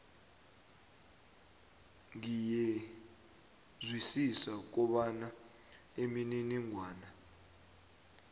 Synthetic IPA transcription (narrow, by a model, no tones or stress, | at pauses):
ŋijɛ | zwisisak̬ɔɓana | emininiŋʱwaːna